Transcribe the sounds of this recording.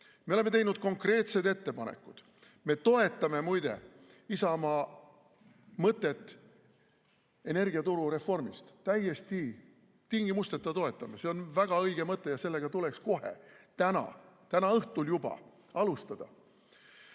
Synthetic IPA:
me̞ole̞met̪e̞jnud̪̥̚ko̞ŋkre̞ːt̪se̞d̪e̞t̪ːe̞pɑnḛkːˑud̪̥ | me̞t̪o̞e̞t̪ːˑɑme̞mujd̪̥e̞̰ | isɑmɑ | mɤt̪ːˑe̞t̪ːˑ | e̞ne̞rɡiɑt̪uɾuɾe̞fo̞rmist̪t̪æjːest̪i | t̪iŋɡimust̪et̪ːˑɑt̪o̞e̞t̪ːˑɑmese̞o̞nvæɡ̥ɑɤjɡ̥emɤt̪ˑːe̞jɑse̞lːe̞ɡ̥ɑt̪ule̞ksko̞ɦḛt̪ænɑ̰t̪ænɑɤht̪uljub̥ɑ̰ | ɑlust̪ɑd̪̥ɑ̰

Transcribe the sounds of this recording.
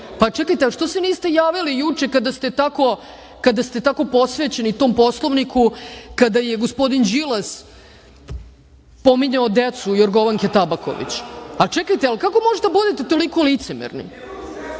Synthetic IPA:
pat͡ʃɛkajt̪eaʃt̪oseniːst̪e̞jaːʋilijut͡ʂekad̪ast̪et̪ako̞ | kad̪ast̪e̞t̪ako̞po̞sʋet͡ɕe̞nit̪o̞ːmpo̞slˠoʋnikukad̪ajeɡo̞spo̞d̪ind͡ʑilas | po̞miɲaod̪et̪sujoɾɡo̞ʋaŋket̪abako̞̰ʋḭt͡ɕat͡ʃɛkajt̪ealikako̞moʒet̪ebud̪et̪et̪o̞likolit̪semḛɾnḭ

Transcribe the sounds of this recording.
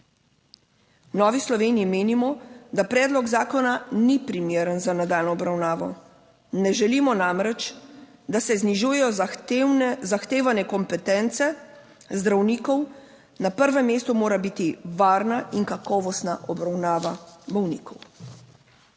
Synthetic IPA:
nɔːʋislɔʋeːniːmeːnimɔd̪apɾɛːd̪lɔɡzaːkɔnanipɾimeːɾənzanad̪aːlnɔːbɾawnaːʋɔ | nɛʒɛliːmɔnamɾɛt͡ʃ | d̪asɛzniʒuːjɛjɔ | zaxt̪eːʋanɛkɔmpɛt̪ɛnt̪sɛ | zd̪ɾawniːkɔw | napəɾʋɛmːeːst̪ɔmoːɾabiːt̪iʋaːɾnaʔiŋkakɔːʋɔst̪naʔɔbɾawnaːʋabɔwniːkɔw

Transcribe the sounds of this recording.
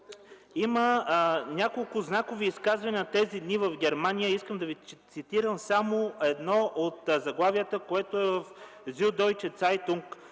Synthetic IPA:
imənʲakolˠkʊznakoviːskazvɐnʲit̪ɛzid̪nivɐvɡʲɛɾmanʲijəiskəmd̪ɐvit̪sit̪iɾəmsamoɛd̪nɔʔot̪zɐɡlˠavijət̪əkoɛt̪oɛvɐfzʲud̪ɔjt͡ʃɛt̪sajt̪uŋk

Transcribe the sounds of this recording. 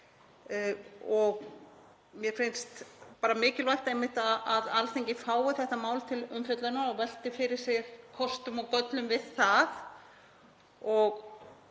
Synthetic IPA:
ɔɣ | mjɛfɪnst̪paːɾamɪːcɪlvajht̪aejmːɪht̪aaðalθeɲcɪfaːwʏθɛht̪amaːwlt̪ʰɪlʏmfjœt̪lanaɔvɛl̥t̪ɪfɪɾɪɾ̥sjɛɣkʰɔst̪ʏmɔkœt̪lʏmvɪðθað | ɔɣ

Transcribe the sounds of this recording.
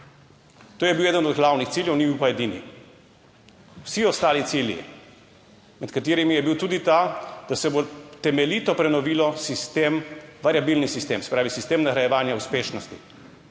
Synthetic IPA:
t̪oːjɛbiwɛːd̪ənɔd̪ɡlawnixt̪siːljɛwnibiwpaɛd̪inḭ | wsiɔst̪aːlit̪siːljḭ | mɛt̪kat̪eːɾimijɛbiwt̪uːd̪it̪ad̪̥asɛbot̪ɛmɛlit̪ɔpɾɛnɔʋiːlɔsist̪emʋaɾjabilnisist̪eːmsɛ̥pɾaːʋisist̪eːmnaɾajɛʋaːnjauspeːʃnɔst̪ḭ

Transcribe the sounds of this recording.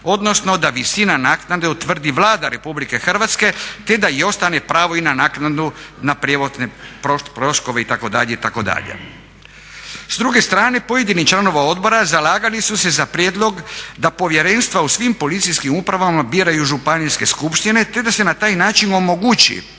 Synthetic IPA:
o̞d̪no̞sno̞d̪aʋisinanaːknad̪eut̪ʋr̩d̪iʋlaːd̪aɾe̞publike̞xr̩ʋat̪ske̞t̪e̞d̪aio̞st̪ane̞pɾaːʋo̞inanaːknad̪unapɾjeʋod̪nepopɾo̞skoʋe̞it̪ako̞d̪aʎeit̪ako̞d̪a̰ʎḛ | zd̪ɾuɡest̪ɾaːne̞po̞je̞d̪init͡ʃlˠano̞ʋao̞d̪bo̞ɾazalaːɡalisuse̞zapɾjed̪lˠo̞ɡd̪apo̞ʋje̞ɾe̞nst̪ʋausʋimpo̞lit̪sijskimupɾaʋamabiɾajuʒupanijske̞skupʃt̪ine̞t̪e̞d̪ase̞nat̪aːjnaːt͡ʃino̞mo̞ɡut͡ɕḭ

